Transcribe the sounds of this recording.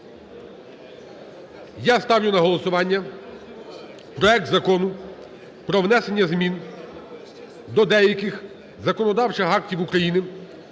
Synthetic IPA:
jast̪ɑwjʲʊnɐɦɔlˠɔsʊʋɑnʲːɐ | pɾɔɛk̚t̪zɐkɔnʊ | pɾɔʋnɛse̞nʲːɐzmʲin | d̪ɔd̪ɛjɐkɪx | zɐkɔnɔd̪ɑwt͡ʃɪxɑktʲiwukɾɐjinɪ

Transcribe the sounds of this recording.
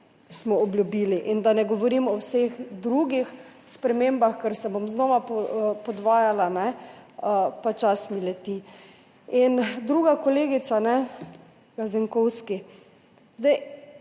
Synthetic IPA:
smɔɔbljubiːliʔind̪anɛɡɔʋɔɾimɔwsexd̪ɾuɡixspɾɛmeːmbaxkəɾsɛbomznɔʋapɔpɔd̪ʋaːjalanɛ | pat͡ʃasmilɛt̪i | ind̪ɾuːɡakɔleːɡit̪sanɛ | ɡ̥aziŋkɔwski | zd̪ɛɪ

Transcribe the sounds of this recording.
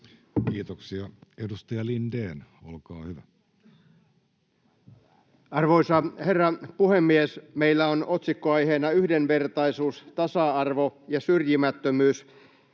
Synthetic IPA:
kiːt̪oksiɑedust̪ɑjɑlindeːnolkɑːhyʋæ | ɑrʋoisɑherːɑpuhemːiesmeilːæono̞t̪sikːoɑjɦeːnɑyhdenʋe̞rt̪ɑisuːst̪ɑsɑɑrʋo̞jɑsyrjimæt̪ːømyːs

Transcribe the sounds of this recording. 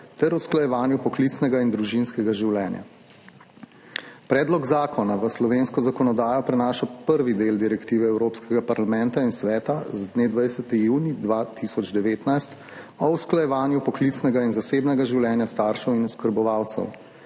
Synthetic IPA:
t̪ɛɾusklajɛʋaːnjupɔklit̪snɛɡaind̪ɾuʒinskɛɡaʒiwlɛːnja̰ | pɾɛːd̪lɔɡzaːkɔnaʋəslɔʋeːnskɔzakɔnɔd̪aːjɔpɾɛnaːʃapəɾʋid̪eːld̪iɾɛkt̪iːʋɛɛwɾoːpskɛɡapaɾlamɛ̃nt̪ainsʋɛːt̪azd̪neːd̪ʋajsɛt̪ijuːnid̪ʋat̪isɔd͡ʒd̪ɛʋeːt̪najst̪ | ɔwsklajɛʋaːnjupɔklit̪snɛɡainzaseːbnɛɡaʒiwlɛːnjast̪aːɾʃɛwinuskəɾbɔʋaːwt̪sɛ̰w

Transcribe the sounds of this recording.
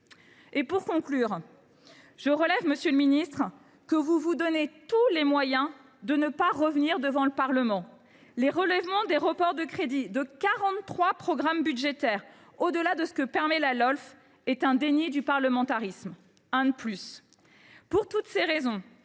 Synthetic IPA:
epuʁkɔ̃klyːʁ | ʒ̥əʁəlɛvməsjøləminist̪χ | kəvuvud̪ɔnet̪ulemwajɛ̃ | d̪ənəpaʁəvniʁd̪əvɑ̃ləpaʁləmɑ̃ | leʁəlɛvmɑ̃d̪eʁəpɔʁd̪əkχed̪id̪əkaʁɑ̃t̪ːχwapχɔɡʁambyd̪ʒet̪ɛːʁ | od̪əlad̪əsə̥kəpɛʁmɛlalɔlf | ɛt̪ɛ̃d̪enid̪ypaʁləmɑ̃t̪aʁism | ɛ̃d̪əplys | puʁt̪ut̪seʁezɔ̃

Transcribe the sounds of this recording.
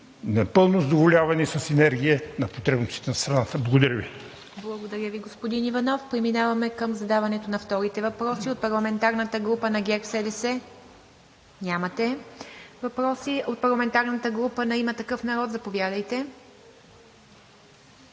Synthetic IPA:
nɐpɤlˠnozɐd̪ovolʲavɐnisɐsinɛɾɡʲiənɐpot̪ɾɛbnost̪i̥t̪ɛnɐst̪ɾɐnat̪əblˠɐɡod̪ɐɾjəvi | blˠɐɡod̪ɐɾʲjəviɡospod̪inivɐnɔfpɾɛminavɐmɛkəmzɐd̪avɐnɛt̪onɐft̪ɔɾit̪ɛvɐpɾɔsiot̪̚pɐɾlˠɐmɛnt̪aɾnət̪əɡɾupənɐɡʲɛksɛd̪ɛsɛ | nʲamɐt̪ɛ | vɐpɾɔsiot̪̚pɐɾlˠɐmɛnt̪aɾnət̪əɡɾupənɐimət̪ɐkɤfnɐɾɔt̪zɐpovjad̪əjt̪ɛ

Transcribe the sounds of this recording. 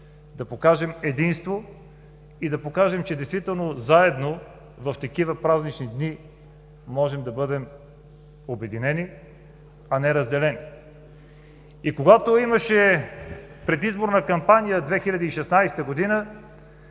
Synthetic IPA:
d̪ɐpokaʒɛmɛd̪inst̪vo | id̪ɐpokaʒɛmt͡ʃɛd̪ɛjst̪vit̪ɛlˠnozaɛd̪no | vɐft̪ɐkivəpɾaznit͡ʃnid̪ni | mɔʒɛmd̪ɐbɤd̪ɛm | obɛd̪inɛni | ɐnɛɾɐzd̪ɛlɛni | ikoɡat̪oiməʃɛ | pɾɛd̪izboɾnɐkɐmpanijəd̪vɛxilʲɐd̪ɛiʃɛsnajsɛ̥t̪əɡod̪inə

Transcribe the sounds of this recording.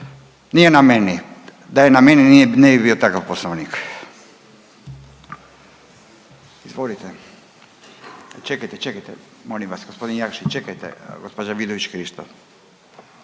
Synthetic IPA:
nijenameni | d̪ajenameninijenebibiot̪akafposnoʋnik | izʋolit̪ɛ | t͡ʃekajt̪ɛt͡ʃekajt̪ɛ | molimʋasɡospo̞d̪injakʃit͡ʃekajt̪ḛɡospod͡ʒaʋid̪oʋit͡ʃkɾiʃt̪o

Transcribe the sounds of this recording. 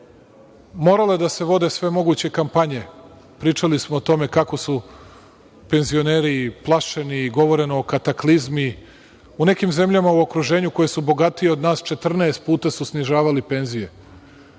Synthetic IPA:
mo̞ːɾaled̪ase̞ʋo̞d̪e̞sʋe̞mo̞ɡut͡ɕe̞kampaɲe̞ | pɾiːt͡ʂalismoːt̪o̞me̞kako̞su | pe̞nzio̞ne̞ːɾiplˠaʃe̞niːɡo̞ʋo̞ɾe̞niokat̪aklizmi | une̞kimze̞mʎamauo̞kɾuʒe̞ːɲuko̞je̞subo̞ɡat̪ijeod̪naːst͡ʃe̞t̪r̩naest̪̚puːt̪asusniʒaːʋalipe̞nzije̞

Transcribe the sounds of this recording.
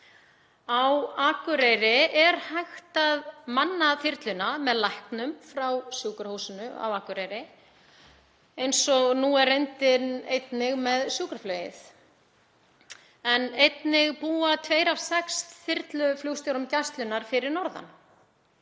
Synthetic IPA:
awaːkʏɾejɾɪɛɾ̥hajxt̪aðmanːaθɪɾt̪lʏnamɛðlajhknʏmfɾawsjuːkʏɾ̥huwsɪnʏa̰waːkʏɾejɾɪ | ejnsɔɣnuɛrːejnt̪ɪnejt̪nɪɣmɛðsjuːkaɾ̥flœːjɪ̰θ | ɛnejt̪nɪɣpuːat̪ʰveːjɾafsɛkst̪θɪɾt̪lʏfluwst̪jɔɾʏmc̪ast̪lʏnaɾ̥fɪɾɪɾnɔɾða̰n

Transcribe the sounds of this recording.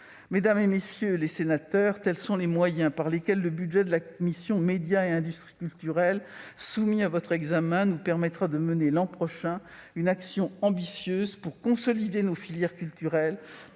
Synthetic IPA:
med̪amzemesjølesenat̪œʁt̪ɛlsɔ̃lemwajɛ̃paʁlekʲɛlːəbyd̪ʒɛd̪əlakɔmisjɔ̃med̪jaeɛ̃d̪yst̪χi̥kʲylt̪yʁɛlsumiavɔt̪χɛɡzamɛ̃nupɛʁmɛt̪χad̪əmənelɑ̃pχɔʃɛ̃ynaksjɔ̃ɑ̃bisjøzpuʁkɔ̃sɔlid̪enofiljɛʁkʲylt̪yʁɛl

